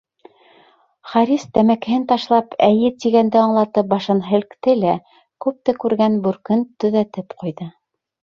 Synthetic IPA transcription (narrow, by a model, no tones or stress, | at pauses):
χɑɾist̪æmækɘ̆hɘnt̪ɑʃlˠɑpæjɘt̪iɡænd̪ɘɑɴlˠɑt̪ɤp̚bɑʃɤnɦɘ̆lkt̪ɘlæ | kʉp̚t̪ɘkʉɾɡænbʉɾkɵnt̪ɵ̆ðæt̪ɘpqujðɤ